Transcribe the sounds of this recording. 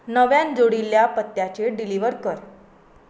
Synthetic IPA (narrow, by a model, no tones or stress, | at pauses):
nəʋjand͡zoɽilːjapət̪ːjat͡ɕeɖiliʋəɾkəɾ